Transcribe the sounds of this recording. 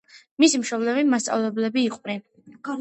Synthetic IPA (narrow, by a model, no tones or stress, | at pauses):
misimʃɔblɛvimast̪sʼa̰vlɛblɛbiːqʼvɾi